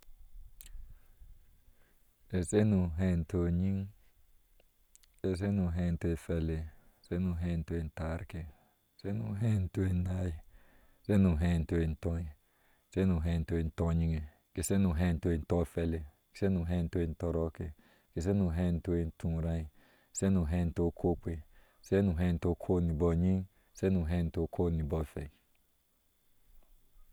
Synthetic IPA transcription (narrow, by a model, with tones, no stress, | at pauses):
e˧se˦nũ˧ɦe˧nt̪u˧ɲĩ˦ŋ | e˧s̬e˦nũ˧ɦẽ˧nt̪u˧e˧fe˧le˧ | se˦nũ˧ɦẽ˧nt̪u˧i˧nt̪a˧ɾke˧ | se˦nũ˧ɦe˦˧nt̪u˧i˧nã˧i˧ | se˦nũ˧ɦẽ˧nt̪u˧i˧nt̪õ˧ĩ˧˨ | se˦nũ˨ɦɛ̃˧n˨˦to˧e˧n̩˨tɔ˧ɲi˧ŋe˨ | ke˨se˦nu˧˨ɦɛ̃˧˦n˦to˧e˧n̩˦tɔ˧˦fɛ˧le˧ | ke̥˨se˦nu˨˧˨ɦɛ˧˦˧to˧e˧n̩˦tɔ˧ɾɔ˧˦ke˧ | ke˨s̬e˦nũ˧˨ɦɛ̃˧˦˧n̩˦to˧e˧n̩˦tʰũ˧ɾã˧i˧˨ | se˦nũ˧ɦɛ˧˦˧n̩˨˦to˧˦kʰo˦kʷe˨ | se˦nũ˧˨ɦɛ˧n̩˨to˧˦kʰo˦˨ni˨bɔ˧˨ɲĩ˦ŋ | se˦nũ˧˨ɦɛ˧˦˧n̩˨˦to˧˦kʰo˦˨nĩ˨bɔ˧fɛ˨